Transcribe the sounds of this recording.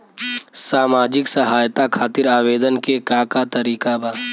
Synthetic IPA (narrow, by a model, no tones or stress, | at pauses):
saːmaːd͡ʒɪksɐɦaːjt̪akʰaːt̪ɪɾaːʋeːd̪ənkekakat̪ɐɾiːkabaː